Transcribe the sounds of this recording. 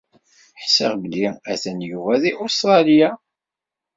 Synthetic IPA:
ħsəʁbəliæθənjuvæðiʔʊst̪ɾˤɑlija

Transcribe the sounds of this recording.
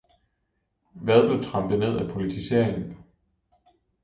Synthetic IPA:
ʋæð̞ˠb̥le̝ʊt͡sʰʁɑ̈mb̥ð̩ˠne̝ð̞̰ˠæpʰo̝lit͡sʰise̝̰ɐ̰eŋn̩

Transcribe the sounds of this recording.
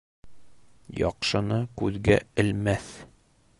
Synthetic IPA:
jɒ̰qʃɤ̆nɤkʉðɡæɘ̆lmæθ

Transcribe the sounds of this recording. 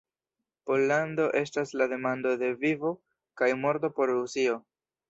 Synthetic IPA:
po̞lːando̞ʔe̞staslade̞mando̞de̞vivo̞ | kajmo̞ɾto̞po̞ɾɾusio̞

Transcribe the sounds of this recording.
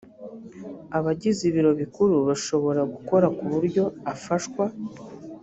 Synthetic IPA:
aβaɟiziβiɾo̞βikuɾuβaʃo̞βo̞ɾaɡuko̞ɾakuβuɾɟo̞afaʃkwa

